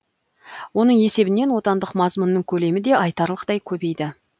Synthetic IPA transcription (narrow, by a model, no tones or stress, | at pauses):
wo̞n̪əɴe̞se̞bɪne̞nwo̞t̪ɑnd̪əqmɑzmʊnːəŋkʲʰɵle̞mɪd̪e̞ɑjt̪ɑɾlˠəqt̪ɑjkʲʰɵbe̞jd̪ɪ